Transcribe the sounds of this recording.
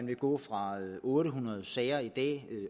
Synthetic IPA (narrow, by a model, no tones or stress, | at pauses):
ænʋe̝ɡ̥ɔ̰̽ːfʁɑ̈ʔɔ̽ːɾəɦunɐð̩ˠsɛːɪɐid̥ɛ̰ː